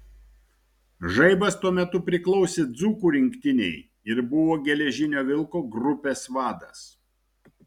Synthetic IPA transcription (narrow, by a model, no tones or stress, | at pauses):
ʒɐɪbɐst̪uɔmʲɛt̪ʊpʲɾʲɪklˠɒʊsʲeːd̪zuːkuːɾʲɪŋʲkt̪ʲɪnʲɛ̰ɪ | ɪɾbʊʋoːɡʲɛlʲɛʒʲɪnʲoːʋʲɪlˠkoːɡɾʊpʲeːsʋɑːd̪ɐs